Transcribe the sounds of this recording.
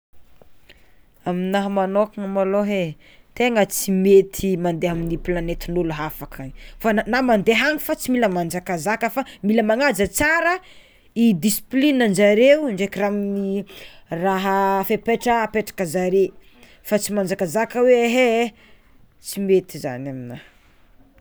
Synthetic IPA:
aminaɦəmanokaŋamaloɦe | t̪eŋət͡simet̪ʰimand̪eɦaminipilanet̪inuluɦafakʰafanamand̪eɦaŋifat͡similəmand͡ʒakazakəfamiləmaŋad͡zət͡saɾə | id̪isi̥plinand͡ʒaɾeuɳɖ͡ʐekiramini | raɦəfepeʈ͡ʂəpeʈ͡ʂḁkəzaɾe | fat͡simand͡ʒakazakəweeɦe | t͡simet̪iza̰naminah

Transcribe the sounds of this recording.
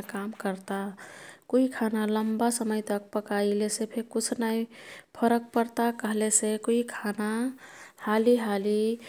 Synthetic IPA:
kamkəɾt̪akoikʰanaləmbasəməjt̪ək̚pəkailesepʰeɾkʊt͡ʃʰnaipʰəɾək̚pəɾt̪akəɦlesekoikʰanahaliɦali

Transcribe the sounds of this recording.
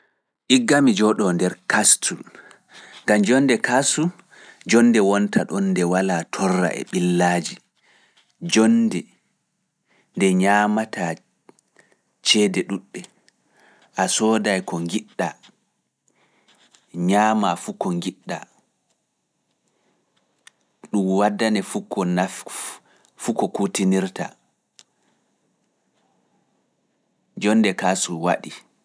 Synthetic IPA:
ʔiɡːamid͡ʒɔɗɔndɛɾkastʰu | ŋɡamd͡ʒɔnːdɛkasu | d͡ʒɔnːdɛwɔntʰaɗɔnːdɛwalatʰɔrːa̰ʔɛ̰ɓilːaːd͡ʒi | d͡ʒɔndɛ | ndɛɲaːmatʰa | t͡ʃɛdɛɗuɗːɛ | ʔasɔːdajkɔŋɡiɗːa | ɲaːmafukɔŋɡiɗːa | ɗumwadːanɛfukɔna | fukɔkutiniɾta̰ | d͡ʒɔnːdɛkasuwa̰ɗi

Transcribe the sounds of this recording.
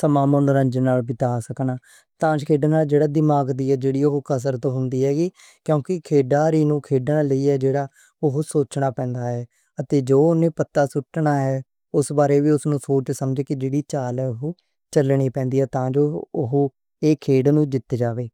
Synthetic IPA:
səmaːmənɾə̃nd͡ʒnaːlbɪt̪aːsəknaː | t̪ãːd͡ʒkʰeːɖnaːld͡ʒeːɽaːd̪ɪmaːɡd̪iːɛːd͡ʒeːɽiːoɦokəs̬əɾt̪õːɦʊnd̪iːɦɛːɡiː | kjõːkɪkʰeːɖaːɾiːnũːkʰeːɖnaːləiːɛːd͡ʒeːɽaː | ʊɦʊsoːt͡ʃɳaːpɛ̃ːnd̪aːɦɛː | ət̪eːd͡ʒoːʊnẽːpət̪ːaːsʊʈːnaːɦɛː | ʊsbaːɾeːʋiːʊsnũːsoːt͡ʃsəmd͡ʒeːkɪd͡ʒeːɽiːt͡ʃaːlɛːʊɦoː | t͡ʃəlɳ̃iːpɛ̃ːnd̪iːɦɛːt̪ãːd͡ʒoːʊɦo | eːkʰeːɖnũːd͡ʒɪt̪ːd͡ʒaːʋeː

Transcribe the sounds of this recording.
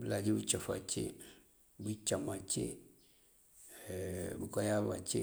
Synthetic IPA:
bilad͡ʒibut͡ʃɔfa̰t͡ʃḛ | but͡ʃamat͡ʃḛ | bukɔjaa̰t͡ʃe

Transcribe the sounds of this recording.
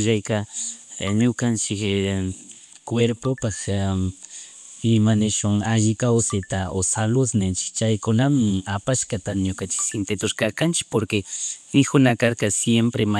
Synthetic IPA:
ʒajka | ɲʊkant͡ʃɪk | kweɾpopak | ɪmanɪʃʊŋaʒɪkawsɪt̪aʔosalʊsnent͡ʃɪ̥kt͡ʃajkʊnamɪŋapaʃkat̪aɲʊkant͡ʃɪ̥ksɪnt̪et̪ʊɾkakant͡ʃɪ̥k̚poɾkeɪkʊnakaɾkasjempɾema

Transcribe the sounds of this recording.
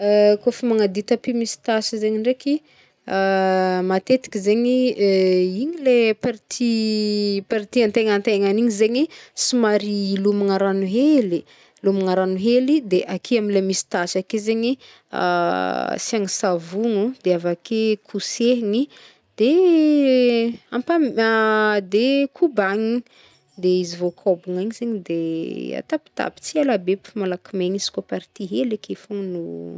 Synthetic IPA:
koafimaŋad̪it̪apimisi̥t̪asizeɲiɳɖ͡ʐeki | amat̪et̪i̥kizeɲi | iɲilepaɾit̪ʰi | paɾit̪iant̪eŋant̪eŋaniɲizeɲisimaɾilumiŋaɾanuɦeli | lumiŋaɾanuɦelid̪eʔakʰiaminlemisi̥t̪aʃakezeɲi | a̰siaŋisavuŋud̪̥eavakʰekʰuseɦiŋi | d̪̥e | ampamad̪ekʰubaɲi | d̪eizivokʰobuŋaɲizeɲid̪ea̰t̪api̥t̪a̰pi̥t͡sialabepmalakimeɲisi̥kopaɾit̪iɦelakefuŋnu

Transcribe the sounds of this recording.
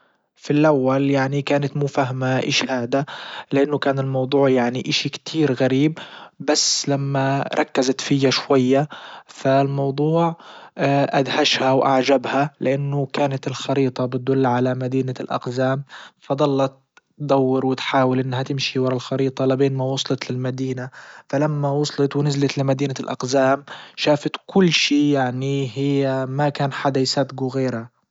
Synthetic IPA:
filʔawːaljaʕnikaːnat̪muːfaɦmaʔɪ̰ʃhaːd̪alɪʔanːʊkaːnɪlmɑwd̪ˤuːʕjaʕniʔaʃikt̪ʰiːɾɣaɾiːb̚basːlamːaɾˤɑ̰kːazat̪fɪjːaʃwajːafalmɑwd̪ˤuːʕ | ʔad̪haʃhawʔa̰ʕd͡ʒabhalɪʔanːʊkaːnat̪ɪlxɑɾiːt̪ˤɑbɪt̪̚d̪ʊlːʕalamad̪iːnalʔɑ̰qzaːmfɑd̪ˤɑlːɑt̪ | d̪ˤɑwːɪɾwɪt̪ħaːwɪlʔɪnːɦat̪ɪmʃiwɑɾˤɑlxɑɾiːt̪ˤɑlɪbeːnmawʊsˤlɑt̪lɪlmad̪iːnafalamːawʊsˤlɑt̪wɪnɪzlat̪lɪmad̪iːnalʔɑ̰qzaːmʃaːfat̪kʊlːʃiːjaʕniɦɪjːamakaːnħad̪ajsab̪ɡuɣeːɾha

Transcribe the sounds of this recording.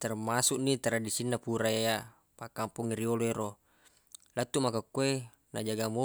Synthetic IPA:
t̪ɛrmasuʔnit̪aɾadisinːapuɾaea | pakampuŋiɾioloeɾo | lat̪ːumakakːue | nad͡ʒaɡamo

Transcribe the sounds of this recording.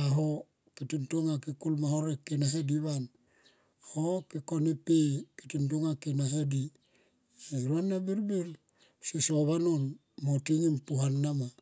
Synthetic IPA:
aɦo | kitintoŋakikulmahoɾekːinaɦadiβan | ahokikonipeki̥tintoŋakinaɦadi | eɾuanːabiɾbiɾ | sisoβanon | motiŋimpuɦanːama

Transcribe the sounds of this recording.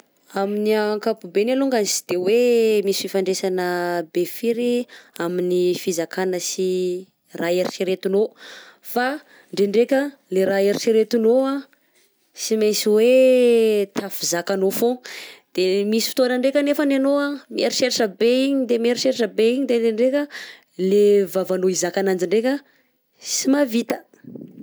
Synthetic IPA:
aminiaŋkapubenaluŋɡanisi̥d̪̥ewemisfifaɳɖ͡ʐesanəbefiɾiaminifizakanəsi | raeɾit͡ʃiɾet̪unofa | ɳɖ͡ʐeɳɖ͡ʐekʲə | leɾaeɾit͡ʃiɾet̪unoa | simajsiwe | t̪ʰafizakanofod̪̥emisi̥fi̥t̪onəɳɖ͡ʐekʲənefənanoamieɾiʃeɾaʈ͡ʂəbeiɲid̪emieɾiʃeɾaʈ͡ʂəbeiɲid̪eɳɖ͡ʐeɳɖ͡ʐekʲə | levavanoizakanand͡ʒiɳɖ͡ʐekʲə | simavit̪ə̥

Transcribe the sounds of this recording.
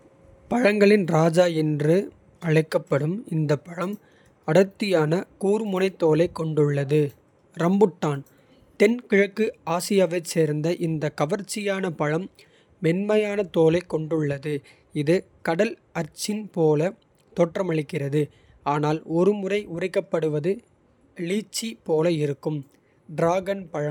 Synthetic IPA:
pɐɻɐŋɡɐɭɪnɾaːd͡ʒaːjɪndrɯ | ɐɻɪkːɐpːɐɽɯmɪnd̪ɐpːɐɻɐm | ɐɽɐt̪ːɪjaːnɐkuːɾɯmʊnɐɪt̪ːoːlɐɪkːɔɳɖɯɭːɐðɯ | ɾɐmbɯʈːaːn | t̪ɛnkɪɻɐkːɯaːsɪjaːʋɐɪt͡ʃːeːɾnd̪ɐʔɪnd̪ɐkɐʋɐɾt͡ʃːɪjaːnɐpɐɻɐmː | ɛnmɐjaːnɐt̪oːlɐɪkːɔɳɖɯɭːɐðɯ | ɪðɯ | kɐɽɐl | ɐɾt͡ʃːɪnpoːlɐ | t̪ɔʈrɐmɐɻɪkːɪrɐðɯ | aːnaːlɔɾɯmʊrɐɪʊrɐɪkːɐpːɐɽɯʋɐðɯ | liːt͡ʃːipoːlɐɪɾɯkːɯm | ɖɾaːɡɐnpɐɻɐm

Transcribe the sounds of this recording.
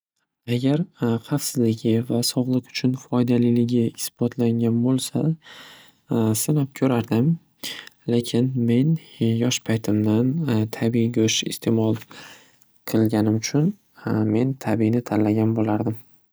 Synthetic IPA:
aɡʲaɾχɑfsɪzlɪɡʲɪvasɒʁlˠɨqʊ̥t͡ʃʰʊnfɒjd̪alɪlɪɡʲɪɪsb̥ɒt̪ʰlaŋɡʲanbolˠsa | sɪnɒp̚kʲʰɵɾaɾd̪ɪm | le̞kʲʰɪnme̞njɒʃpʰajt̪ʰɪmd̪ant̪ʰabiɡʲɵʃɪ̰st̪ʰe̞mɒlˠ | qʰɨlˠɡʲanɪmʊt͡ʃʰʊn | me̞nt̪ʰabinɪt̪ʰallːaɡʲanbolaɾd̪ɪm

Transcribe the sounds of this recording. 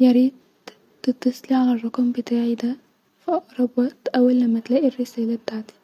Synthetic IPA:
jaɾiːd̪̚ | ɪt̪ːɑsˤliʕalarˤːʊkɑmbɪt̪aʕid̪a | fiʔɑʔɾˤɑbɑt̪ʔawalːamːat̪læːʔirɪsæːlad̪aʕd̪i̥

